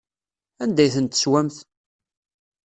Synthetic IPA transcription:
ænd̪æjθənt̪ːə̥swæmθ

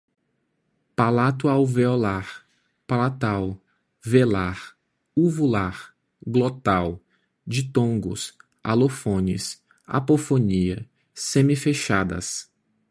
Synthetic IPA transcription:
palat̪ʊawveolaɾ | palat̪aw | velaɾ | uvulaɾ | ɡlot̪aw | d͡ʒit̪õŋɡʊ̰s | a̰lofõnɪ̰s | a̰pofoniɐ | sẽmifeʃad̪ɐ̰s

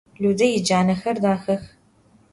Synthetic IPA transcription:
ɮudɐjɪd͡ʒaːnɐxɐrdaːxɐx

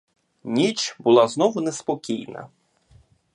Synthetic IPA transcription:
nʲit͡ʃbʊlˠɑznɔʋʊnɛspɔkʲijnɐ̰

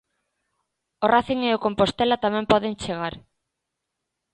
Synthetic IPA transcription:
oraθiŋeokompost̪elat̪amɛ̃mpɔðeŋt͡ʃeɣaɾ

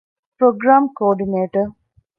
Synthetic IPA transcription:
pɾoɡɾaːmkɔːɖineːʈə

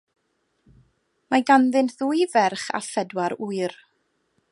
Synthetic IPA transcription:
maɡanðɨnðuɨjvɛrχa̰fɛdwaɾuɨr

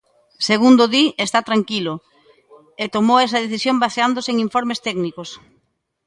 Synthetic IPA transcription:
seɣund̪oðiest̪at̪ɾaŋkilʊ | et̪omowɛsɐðeθisjõmbaseand̪oseŋiɱfɔɾmest̪ɛɡnikos

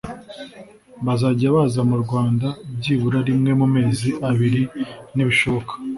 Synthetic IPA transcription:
βazaːɟaβazamuɾɡwaːndabɟiːβuɾaɾimŋe̞mume̞ːziʔaβiɾiniβiʃo̞βo̞kḁ

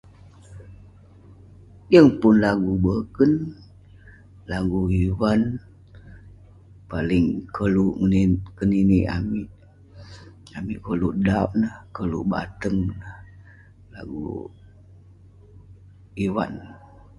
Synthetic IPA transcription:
jəŋpʊnlaɡubəkən | laɡuiwan | palɪŋkʰəluʔŋəkəniniʔa̰miʔ | amiʔkəluʔdaʔ̚nəhkəlṵʔba̰t̪əŋnəh | la̰ɡṵ | iwa̰n

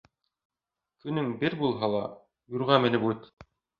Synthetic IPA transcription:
kɵ̆nɵŋbɘɾbulˠɦɑlˠɑ | juɾʁɑmɘ̆nɘpʉt̪

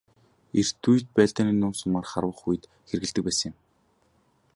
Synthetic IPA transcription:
er̥t̪ʰujt̪̚pæːɮt̪aːniːnʊːnsʊmaːrχaɾwə̆χuj̆t̪ | xerɣɘ̆ɮt̪ɘ̆k̚pæːsə̃̆ŋɪ̆m

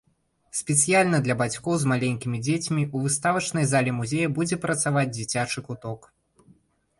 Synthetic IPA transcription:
sʲpʲɛt̪sɨjalʲnɐd̪lʲɐbat͡sʲkɔwzmalʲenʲkʲimʲid͡zʲet͡sʲmʲiuvɨst̪avɐt͡ʂnɐjzalʲɛmuzʲejɐbud͡zʲɛpɾɐt̪savad͡zʲd͡zʲit͡sʲat͡ʂɨkut̪ɔk

